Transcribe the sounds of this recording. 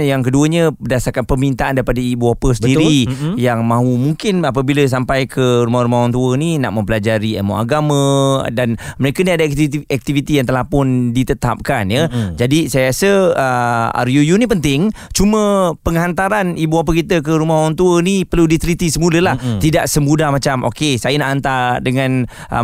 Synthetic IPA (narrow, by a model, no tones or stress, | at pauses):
jaŋkəduəɲə̃bədasarkanpərmint̪aʔandaɾipadaibuapəsətiɾijaŋmãɦumuŋkɪnap̬əbiləs̬ampajkʰəɾumahɾumahwaŋt̪uəninaʔmə̃mpəlad͡ʒaɾiɛ̰mɔ̰ʔa̰ɡamə̃danməɾekəniadaɛk̚t̪ivit̪ijaŋt̪əlahpʊndit̪ət̪a̰p̚kanjəd͡ʒadisajjasəəa̰ɾjujunip̬ənt̪ɪŋ | t͡ʃumə̃pəŋɦant̪aɾanibuap̬əkit̪əkəɾumahwaŋt̪uənipərludit̪ɾit̪isəmuləlaht̪idaʔsəmudahmat͡ʃamʔo̰kesajənaʔant̪aɾdəŋãn | ʔə̰